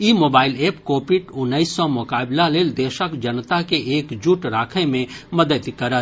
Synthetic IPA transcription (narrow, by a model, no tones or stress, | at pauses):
iːmoːbaːɪleːpkoːpɪʈʊnːəɪsːɔmʊkaːblaleːld̪eːʃəkd͡ʒənt̪akeʔeːkd͡ʒuʈɾaːkʰemẽməd̪ət̪kəɾət̪